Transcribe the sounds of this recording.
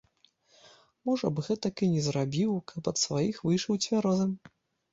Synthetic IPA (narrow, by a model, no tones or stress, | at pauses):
mɔʐɐbɣɛt̪ɐkɨnʲɛzrabʲiwkʰɐpɐt̪svajixvɨjʂɐwt͡sʲvʲaɾɔzɨm